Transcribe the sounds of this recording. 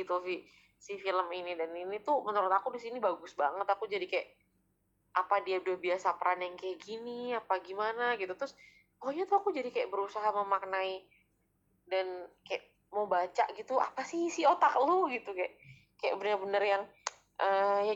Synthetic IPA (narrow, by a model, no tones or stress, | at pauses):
it̪ufi | sifiləminidaninit̪umənəɾʊt̪akudisinibaɡʊsbaŋət̪akud͡ʒadikajaʔ | ʔapadiadiahbiasapəɾanaŋkajaʔɡiniapaɡimanaɡit̪ut̪ɾʊs | kɔɦɲat̪uakud͡ʒadikajaʔbəɾusaɦaməmaknai | dankajaʔ | mobat͡ʃa̰ʔɡit̪ua̰pasisiot̪ak̚loɡit̪ukaja̰ʔ | kaja̰ʔbənərbənərjaŋ | ʔəja